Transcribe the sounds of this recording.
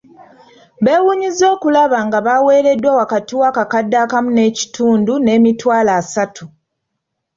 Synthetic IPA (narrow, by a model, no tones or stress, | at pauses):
βe̞ːwuːɲizo̞ːkulaβaŋɡaβawe̞ːɾe̞dːwawakatiwaːkakadːaːkamune̞ːci̥tʰuːndune̞ːmitwaːlaːsatʰu